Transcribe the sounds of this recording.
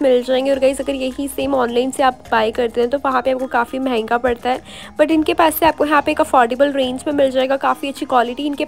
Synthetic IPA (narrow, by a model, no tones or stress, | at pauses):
mɪld͡ʒaːẽːŋɡeɔːɾɡɐizɐɡəɾjɐɦiseːmɔːnlaːɪnseaːpbaːjkɐɾt̪eɦɛ̃t̪oʋɐɦãpeaːp̚kokaːfimɐɦɛ̃ːŋɡapɐɽt̪aɦɛː | b̥ɐʈɪnkepaːsːeaːp̚kojɐɦãpeːkɐfɔːɾɖeːbəlɾẽːnd͡ʒmẽmɪld͡ʒaːeːɡakaːfiɐtːʃʰikwaːlɪʈiɪnke